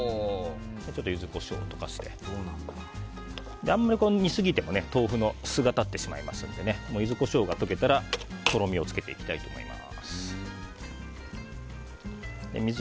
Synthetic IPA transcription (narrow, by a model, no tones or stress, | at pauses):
et͡ɕo̞t̪ːojɯ̟zɨko̞ɕo̞̰ːt̪o̞̥kaɕi̥t̪e̞̰nn | d̪eãmːaɾʲikoɲ̟isɨɡʲit̪e̞mo̞ne̞t̪o̞ːɸɯ̟no̞sɨɡat̪at̪ːe̞ɕima̰ima̰sɨ̰̃nd̪e̞ne̞moːji̟zɨko̞ɕo̞ːɡat̪o̞ke̞t̪aɾat̪o̞ɾo̞mʲio̞t͡sɨ̥ke̞t̪e̞ikʲi̥t̪ait̪o̞ːmo̞̰ḭma̰ | sɨ̥ | d̪ḛmʲi